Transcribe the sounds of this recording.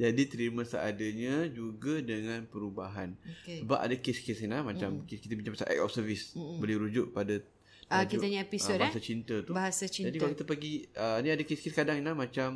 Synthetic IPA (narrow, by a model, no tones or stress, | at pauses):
d͡ʒadit̪əɾimãsə̰ʔadaɲad͡ʒuɡadəŋãnpəɾubaɦanokesəba̰pa̰dakeskesinlahmãt͡ʃamkikit̪əbiɲt͡ʃãŋmasa̰ʔɛ̰k̚ɔ̰fsəvisbəlɪhɾud͡ʒʊʔ̚pada | ad͡ʒiaɲaepiodbaɦasat͡ʃint̪ət̪ubaɦasat͡ʃid͡ʒadikalokit̪apaɡiəniadakeskeskadaŋinlamãt͡ʃam